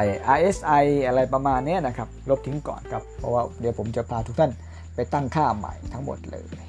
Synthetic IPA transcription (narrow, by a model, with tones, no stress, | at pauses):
jʔaː˧jʔe˦˥sʔa˧jʔa˧ɾa˧jpa˧maː˧nːi˦˥ɐna˦˥kʰa˦˥p̚lo˦˥p̚t̪ʰi˧˦ŋkɔ̰ː˨˩nkʰa˦˥p̚ʰːɔ̰˧˥waː˧˥˩di˨˩˦wpʰo˩˦mt͡ɕa˨˩pʰaː˧t̪ʰu˦˥k̚t̪ʰa˥˩n | pa˧jt̪a˥˩ŋkʰaː˥˩ma̰˨˩˦jt̪ʰa˦˥ŋmo̰˨˩t̪̚lɤ̰ː˧j